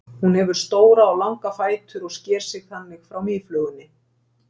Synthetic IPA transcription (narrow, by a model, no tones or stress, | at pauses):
hunhɛvʏɾ̥st̪oːwɾaalawŋkafaːjt̪ʏɾɔɣscɛːɾ̥sɪɣθanːɪxfɾawmiflœːɣʏnːɪ